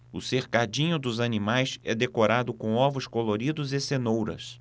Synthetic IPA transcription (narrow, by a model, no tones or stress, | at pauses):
ʊseɾkad͡ʒĩɲʊd̪ʊzanimajsɛd̪ekoɾad̪ʊkõw̃ɔvʊskoloɾid̪ʊzɪsenowɾɐ̰s